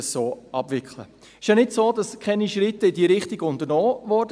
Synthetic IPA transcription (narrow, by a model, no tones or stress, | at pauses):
əssoːʔɑbvɪkχlə̰ | ɪʃjanɪtsoːdɑskʰɛniʃɾɪtːəɪdiːɾɪχtiɡʊntənɔːvɔɾd